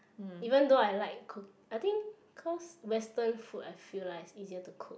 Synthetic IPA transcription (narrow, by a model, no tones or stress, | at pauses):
ivə̃ndoajlaɪkʰːuk | ajt̪ĩŋ | kʰɔswɛstə̃nfutajfillasiziətukʰuk